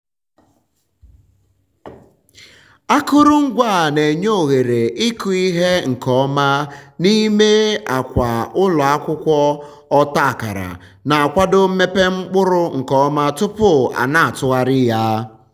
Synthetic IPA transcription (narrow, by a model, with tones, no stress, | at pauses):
a˦kʊ˦ɾʊ˦ŋ̩˦ɡʷa˦˨ne˨ɲo˦˨ɣe˨ɾe˨ʔi˦ku˨i˦ɦe˦ŋ̩˨kɔ˦ma˦ni˦me˦a˨kʷa˨ʊ˦lɔ˨a˦kʷʊ˦kʷɔ˦ | ɔ˦ta˦a˨ka̰˨ɾa̰˨ | na˨a˨kʷa˦do˦m̩˦me˦pe˦ŋ͡m̩˦k͡pʊ˦ɾʊ˦ŋ̩˨kɔ˦ma˦tʊ˦pʊ˦a̰˨na˦a˨tʊ˦ɣa˦ɾɪ˦ja˦